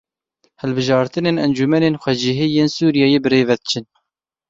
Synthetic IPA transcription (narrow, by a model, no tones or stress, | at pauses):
hɛlbɨʒɑːɾt̪ɨneːnɛnd͡ʒumɛneːnxʷɛd͡ʒɪɦijeːnsuːɾijɑːjeːbɨɾeːvɛd̪ɨt͡ʃʰɨn